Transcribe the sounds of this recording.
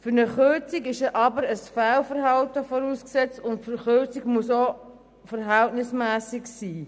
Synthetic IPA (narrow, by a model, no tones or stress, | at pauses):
fʏɾnəχʏt͡sikɪʃəʔɑbəɾəsfælfəɾɦɑltəfɔɾuːsksɛt͡sʊntfəχʏt͡sɪɡmuso | fəɾɦæltnɪsmæːsɪksiː